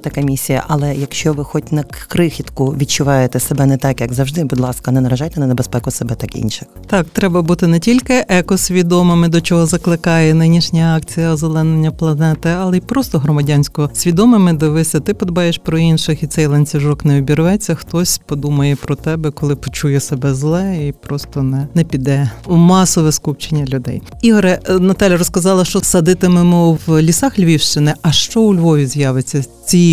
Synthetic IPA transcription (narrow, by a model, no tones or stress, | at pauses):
t̪ɐkɛmʲisʲijɐ̰ʔɐlˠɛjɐkʃt͡ʃɔʋɪxɔtʲnɐkkɾɪxʲit̪kʊʋʲit̚t͡ʃʊʋɑjet̪ɛsebɛnɛt̪ɑkjɐɡzɐwʒd̪ɪbʊd̪lˠɑskɐnɛnɐɾɐʒɑjt̪ɛnɐnebespɛkʊsebɛt̪ɑkḭnʃɪxt̪ɑkt̪ɾɛbɐbut̪ɪnɛtʲilʲkɪʔɛkɔsʲʋʲid̪ɔmɪmɪd̪ɔt͡ʃɔɦɔzɐklˠɪkɑjɛnɪnʲiʃnʲɐɑkt͡sʲijɐɔzelˠɛnːenʲːɐplˠɐnɛt̪ɪɐlˠɛipɾɔst̪ɔɦɾɔmɐdʲanʲsʲkɔɦɔsʲʋʲid̪ɔmɪmɪd̪ɪʋɪsʲɐt̪ɪpɔd̪ɔbɑjeʃpɾɔinʃɪxit̪sɛjlˠɐnʲt͡sʲiʒɔknɛbʲiɾʊʋɛt͡sʲːɐxt̪ɔsʲpɔd̪umɐjɛpɾɔt̪ɛbɛkɔlˠɪpɔt͡ʃujɛsɛbɛzlˠɛipɾɔst̪ɔnɛnɛpʲid̪ɛumɑsɔʋɛskupt͡ʃenʲːɐlʲʊd̪ɛ̰j | iɦɔɾɛnɐt̪ɑlʲjɐɾɔskɐzɑlˠɐʃt͡ʃɔsɐd̪ɪt̪ɪmɪmʊwlʲisɑxlʲʋʲiwʃt͡ʃɪnɪʔɐʃt͡ʃɔuʊlʲʋɔʋʲizʲjɑʋet͡sʲːɐt͡sʲi